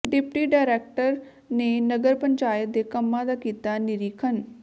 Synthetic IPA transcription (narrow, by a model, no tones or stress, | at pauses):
ɖɪpʈiːɖaːɾɛːk̚ʈəɾ | neːnəɡəɾpəɲt͡ʃaːjət̪̚d̪eːkəmːãːd̪aːkiːt̪aːnɪɾiːkʰən